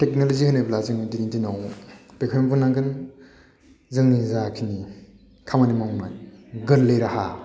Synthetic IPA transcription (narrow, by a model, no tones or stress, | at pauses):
tek̚nolozihanajblaziŋdiɾiŋtinawpekʰjmpʰunaɡɯn | zɯlnizakʰini | kʰamanimawmajɡɯllejɾaha